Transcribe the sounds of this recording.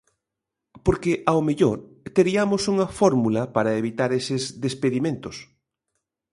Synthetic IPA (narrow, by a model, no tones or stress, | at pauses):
poɾkeʔawmeʎoɾt̪eɾiamosuŋɐfɔɾmulɐpaɾɐeβit̪aɾesɪzðespeðimẽnt̪os